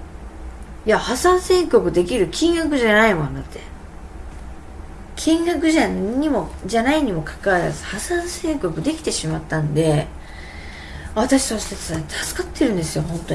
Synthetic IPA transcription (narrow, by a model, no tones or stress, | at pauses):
jahasãɰ̃sẽ̞ŋkʲo̞kɯ̟d̪e̞kʲiɾɯ̟kʲĩŋɡakɯ̟ʑanaimõnd̪at̪ʰːe | kʲʰĩŋɡakɯ̟ʑaɲ̟imo̞d͡ʑanaiɲ̟imo̞kʰḁkaβaɾa̰zɨ̥hasãɰ̃sẽ̞ŋkʲo̞kɯ̟d̪e̞kʲi̥t̪e̞ɕimat̪ːãnd̪e̞ | βat̪aɕi̥saɕi̥t̪atat̪ʰḁsɨ̥kat̪ːe̞ɾɯ̟̃nd̪esɨjo̞hõ̞nt̪o